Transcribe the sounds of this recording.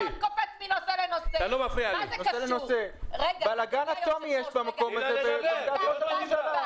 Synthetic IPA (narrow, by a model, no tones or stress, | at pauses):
nkofet͡sminoselenosealomafʁializnoselenoseeɡbalaɡanat̪omijeʃbamako̞mazevɡatotataiaa